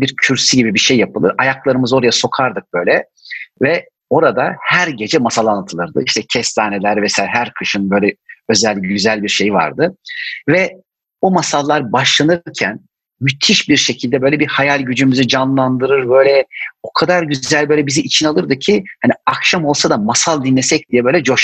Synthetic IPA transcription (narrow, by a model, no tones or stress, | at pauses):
biɾcʰyɾsiɟibibiʃe̞jːapʰɯlˠɯɾajaklˠaɾɯmɯzo̞ɾajaso̞kʰaɾd̪ɯk̚b̥ø̞jlʲɛ | vɛ | o̞ɾad̪ahæɾɟe̞d͡ʒɛmasalˠanːat̪ʰɯlˠɯɾd̪ɯ̰iʃt̪ʰɛcʰɛst̪saːnelʲæɾvɛsajaɦæɾkʰɯʃɯnbø̞jlʲɛø̞zælʲɟyzælʲbiɾʃe̞jiva̰ɾd̪ɯvɛ | bumasalˠːaɾbaʃlˠanɯɾcʰæn | myt̪ʰiʃbiɾʃe̞cʰilʲd̪ɛbø̞jlʲɛbihajalʲɟyd͡ʒymyzid͡ʒanlˠand̪ɯɾɯɾbø̞jlʲɛo̞kʰad̪aɾɟyzælʲbø̞ːlʲɛbiziʔit͡ʃʰinalˠɯɾd̪ɯcʰihaniakʃamo̞lˠsad̪amasalˠd̪inlːʲesɛc̚d̪ijɛbøːlʲɛd͡ʒoʃ